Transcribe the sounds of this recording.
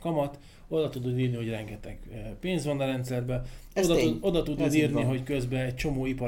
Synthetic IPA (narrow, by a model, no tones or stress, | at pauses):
kɒmɒt̪ | o̞d̪ɒt̪ud̪ud̪iːrniɦo̞ɟrɛŋɡɛt̪ɛɡ̥peːɲzʋɒnːɒɾɛnt̪sɛrbɛod̪uo̞d̪ɒt̪ud̪ud̪iːrniɦo̞ckø̞zbɛɛct͡ʃo̞moːipɒ